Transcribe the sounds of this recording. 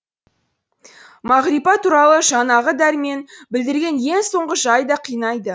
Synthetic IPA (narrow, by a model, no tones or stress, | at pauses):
mɑʁɾipɑt̪ʰuɾɑlˠəʒɑnɑʁəd̪æɾme̞nbɪld̪ɪɾɡʲe̞nje̞ŋso̞ɴʁəʒɑjd̪ɑqʰijnɑjd̪ə